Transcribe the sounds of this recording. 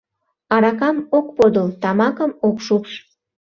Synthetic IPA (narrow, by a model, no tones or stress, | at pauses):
ɑɾɑkɑmok̚pod̪əlt̪ɑmɑkəmokʃukʃ